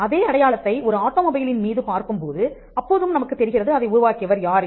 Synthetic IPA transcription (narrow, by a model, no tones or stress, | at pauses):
ɐðeːɐɽɐjaːɭɐt̪ːɐɪʔɔɾɯaːʈːoːmɔbɐjlɪnmiːðɯpaːɾkɯmpoːðɯ | ɐpːoːðɯmnɐmɐkːɯt̪ːɛɾɪɣɪrɐðɯɐðɐɪʊɾʊʋaːkɪɐʋɐɾjaːɾ